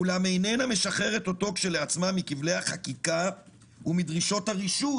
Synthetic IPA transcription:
ulame̞jnename̞ʃaχe̞ʁe̞t̪o̞to̞kʃe̞le̞at͡smamikivle̞jhaχakika | umidʁiʃo̞thaʁiʃu

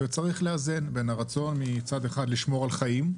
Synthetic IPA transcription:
vet͡saʁiχleaze̞nbe̞naʁat͡so̞nmit͡sad̪e̞χad̪liʃmo̞ʁalχajim

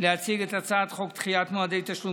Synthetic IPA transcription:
leat͡siɡet̪at͡saːt̪χo̞kt̪χijat̪moad̪ejt̪aʃlu

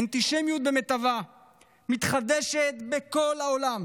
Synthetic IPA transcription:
nt̪iʃemjut̪̚bemet̪ava | mit̪χad̪eʃet̪beko̞lhaolam

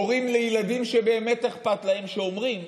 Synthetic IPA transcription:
oʁimle̞jelad̪imʃe̞be̞ːme̞t̪eχpat̪lahe̞mʃeomʁim

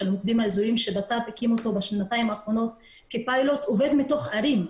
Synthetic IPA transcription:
elmok̚d̪imaezuɾimʃebatapekimotobaʃnataimaːχʁo̞no̞t̪ | kepajlot̪ove̞d̪mito̞χaɾim

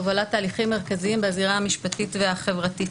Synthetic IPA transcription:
voalatːaːliχimːeʁkaziimbeaziʁahamiʃpatitveaχe̞vʁati

